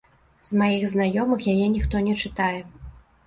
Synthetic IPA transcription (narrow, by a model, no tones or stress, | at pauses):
z̥majiɣznajɔmɨxjajɛnʲixt̪ɔnʲɛt͡ʂɨt̪ajɛ